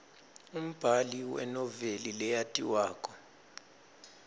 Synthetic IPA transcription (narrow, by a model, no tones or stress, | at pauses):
um̩b̥ʱaliwɛ̰nɔvelilɛjatʼiwaːkʰʼɔ̥